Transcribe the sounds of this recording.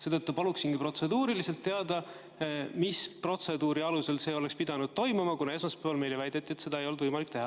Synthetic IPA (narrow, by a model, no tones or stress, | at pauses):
se̞ːd̪̥ɤt̪ːupɑluksinkipro̞t̪se̞d̪uːɾilise̞lt̪ːe̞ɑd̪̥ɑ | mispro̞t̪se̞d̪uːɾiɑluse̞lse̞ːo̞le̞kspid̪̥ɑnud̪̥̚t̪o̞jmumɑkunɑe̞smɑspæːvɑlme̞jlevæjd̪̥et̪ːˑie̞t̪se̞d̪ɑejo̞ld̪vɤjmɑlik̚ːt̪e̞ɦɑ